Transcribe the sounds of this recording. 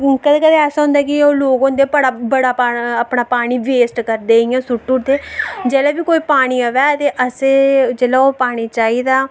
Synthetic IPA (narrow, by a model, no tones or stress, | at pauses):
kəd̪eːkəd̪eɛːsaːɦʊ̃nd̪aːkɪoːloːɡõnd̪eːpəɽaːbəɽaːpaəpɽaːpaːɽ̃iːʋeːsʈkəɾd̪eːɪjãːsʊʈːʊd̪eːd͡ʒɛːlaːbiːkoːiːpaːɽ̃iːəʋɛːt̪eːʔəsed͡ʒɛːlaoːpaːɽ̃iːt͡ʃaːiːd̪aː